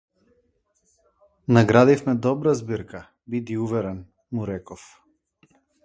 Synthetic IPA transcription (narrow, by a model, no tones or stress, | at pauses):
naɡɾad̪ifmɛd̪ɔbɾazbiɾka | bid̪iuvɛɾɛn | muɾɛkɔf